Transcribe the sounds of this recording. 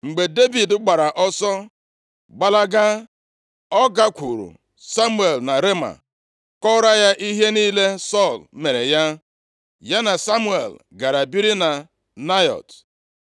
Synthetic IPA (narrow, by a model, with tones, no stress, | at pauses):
ŋ͡m̩˨ɡ͡be˨de˦bi˨dɡ͡ba˨ɾa˨ʔɔ˦sɔ˦ | ɡ͡ba˦la˦ɡa˦ | ɔ˦ɡa˦kʷu˨ɾṵ˨ | sa˦mu˦e˨lna˨ɾe˦ma̰˨ | kɔ˦ɾa˦ja˦ʔi˦ɦe˦niː˦le˦sɔ˦˨lme˨ɾe˨ja˦ | ja˦na˨sa˦mu˦ḛ˨l | ɡa˨ɾa˨bi˦ɾi˦na˨ | na˦jɔ̰˨t